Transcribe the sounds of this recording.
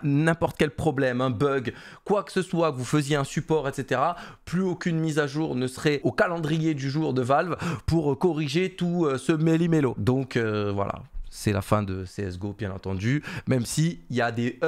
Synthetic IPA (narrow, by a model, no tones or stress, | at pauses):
nɛ̃pɔʁt̪kʲɛlpχɔblɛmɛ̃bœɡ | kwakə̥səswakvufəzjeɛ̃sypɔʁɛt̪set̪eʁaplyokʲynmizaʒuːʁnəsəʁɛokalɑ̃d̪ʁijed̪yʒuʁd̪əvalvpuʁkɔʁiʒet̪uøsəmelimelod̪ɔ̃køvwa̰la̰sɛla̰fɛ̃d̪əseɛsɡobjɛ̃nɑ̃t̪ɑ̃d̪ymɛmsiiljad̪e